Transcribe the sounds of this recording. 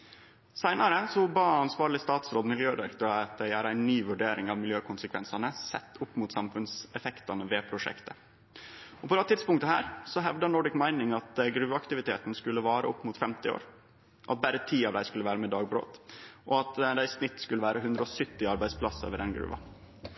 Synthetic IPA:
sæɪnɑɾəsɔbɑːɑnsʋɑːɾɭɪst̪ɑːt̪sɾoːd̪mɪljøːd̪ɛɾkt̪ɔɑt̪̚d̪æɪæːɾæɪnːyːʋʉɖeːɾɪŋɑʋmɪljøːkʰʊnsəkʰʋɛnsɑnəsɛt̪ːʊpːmʊːt̪sɑmfʉnsɛfɛkt̪ɑnəʋeːpʰɾʊʂɛ̰kt̪ə | ɔpʰɔd̪ɑːt̪ʰɪt̪spʊŋkt̪əɦæːɾsɔɦɛʋd̪ɑnɔɖɪkmæɪnɪŋɑt̪ɡɾʉːʋɑɑkt̪ɪʋɪt̪ʰeːt̪nskʉlːəʋɑːɾəʔɔpːmʊːt̪fɛmt̪ɪo̰ːɾ | ʔɑt̪̚bæɾət̪ʰiːɑʋd̪æɪskʉlːəʋæːɾəmɛd̪ɑːɡ̚bɾo̰ːt̪ʔɔɑt̪d̪æɪsnɪt̪ːskʉlːəʋæːɾʔəɦʉnd̪ɾəɔsœt̪ːɪɑɾbæɪd̪spʰlɑsə̰ːʋəɖ̪ɛnɡɾʉ̰ːʋɑ̰

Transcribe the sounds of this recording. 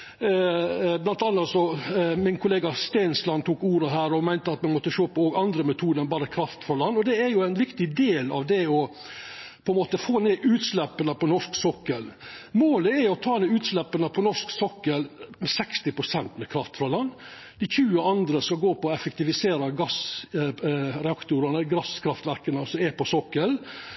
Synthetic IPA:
blɑnt̪ɑnːɑt̪sɔmɪnkʰʊleːɡɑst̪æɪnslɑnt̪ʰuːkuːɾəɦæːɾɔmæɪnt̪əɑt̪mɛmɔt̪ːəʃoːpɔoɡɑnd̪ɾəmɛt̪ʰuːd̪ənbɑːɾəkʰɾɑft̪fɾɑlɑnːɔd̪ɛɛɾjʊæɪnʋɪkt̪ɪd̪eːlɑ̰ʋd̪ɛɔ | pʰɔɛnmoːt̪əfoːneːʔʉːt̪slɛpːənəpʰɔnɔʂksɔkːəlmoːləɛɾjʊɔt̪ʰɑːnʉːt̪slɛpːənəpʰɔnɔʂksɔkːəlmɛsɛkst̪ɪpɾʊsɛnt̪mɛkʰɾɑft̪fɾɑlɑnː | d̪ɪçʉːəɑnd̪ɾəskɑɡoːpɔɔɛfəkt̪ɪʋɪseːɾɑɡɑs | ɾɛɑkt̪ʊɾənəɡɾɑskʰɾɑft̪ʋæɾkənəsɔmɛpɔsɔkːəl

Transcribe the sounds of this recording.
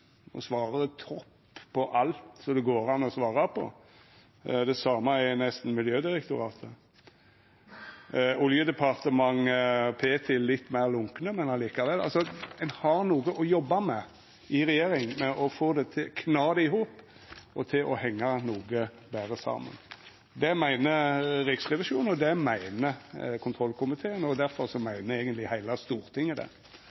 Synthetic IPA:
ɔ̰sʋɑːɾət̪ʰɔpː | pʰːɔʔɑlt̪sɔd̪ɛɡoːɾɑnːɔsʋɑːɾɑpʰɔ̰ | d̪ɛsɑːmɑɛnɛst̪n̩mɪljøːd̪ɪɾəkt̪ʊɾɑːt̪ʰə | ʊljəd̪ɛpʰɑɾt̪əmɑŋəpʰeːt̪ʰɪlːɪt̪ːmæɪʁlʊŋknəmɛnɑliːkɑʋɛlɑ̰lsɔɛnhɑɾnuːɡəʔɔjɔbːɑmɛ | ɪɾɛjeːɾɪŋmɛʔɔfoːd̪ɛt̪ʰɪkʰnɑːd̪ɛɪɦuːp | ɔt̪ʰɪlʔɔhɛŋːɑnuːɡə | bæːɾəsɑ̰ːmə̰n | d̪ɛmæɪnəɾɪksʁɛʋɪʂuːn̩ɔd̪ɛmæɪnəkʰʊnt̪ʰɾɔlkʰʊmɪt̪ʰeːənɔd̪æɾfɔɾsɔmæɪnəeːɡənt̪lɪhæɪlɑst̪uːɾt̪ʰɪŋːəd̪ɛ̰

